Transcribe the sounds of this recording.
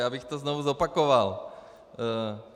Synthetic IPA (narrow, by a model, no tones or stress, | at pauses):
jaːbɪxt̪oznovuzopakoval